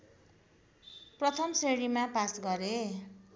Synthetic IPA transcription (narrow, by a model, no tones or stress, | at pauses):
prʌt̪ʰʌmseɽimapasɡʌɾe